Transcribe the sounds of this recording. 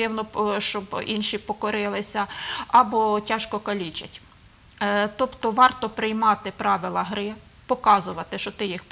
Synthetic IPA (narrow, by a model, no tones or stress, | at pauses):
ɪwnɔʃt͡ʃɔbinʃipɔkɔɾɪlˠɪsʲɐɐbɔtʲɑʃkɔkɐlʲit͡ʃɐtʲ | t̪ɔpt̪ɔʋɑrt̪ɔpɾɪjmɑt̪ɪpɾɑʋɪlˠɐɦɾɪ | pɔkɑzʊʋɐt̪ɪʃt͡ʃɔt̪ɪjixp